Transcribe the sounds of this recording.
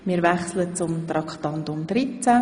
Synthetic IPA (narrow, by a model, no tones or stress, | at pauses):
miːɾvɛχslət͡sʊmt̪ɾɑkχt̪ɑnt̪ʊmd̥̪ɾit͡sæ